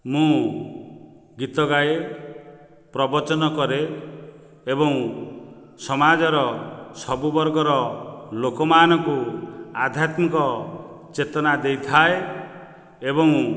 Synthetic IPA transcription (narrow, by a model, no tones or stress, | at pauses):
mũ | ɡit̪ɔɡaje | pɾɔbɔt͡ʃɔnɔkɔɾeː | bɔŋ | sɔmad͡ʒɔɾɔsɔbubɔɾɡɔɾɔlokɔmaːnɔkuad̪ʱjat̪mikɔ | t͡ʃet̪ɔnad̪ejt̪ʰae | ebɔŋ